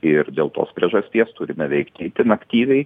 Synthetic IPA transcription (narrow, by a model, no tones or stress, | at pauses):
ɪɾd̪ʲeːlˠt̪o̰ːspʲɾʲiɛʒɐsʲt̪ʲiɛst̪ʊɾʲɪmʲɛʋʲɛɪkt̪ʲɛɪt̪ʲɪnɐkt̪ʲiːʋʲɛɪ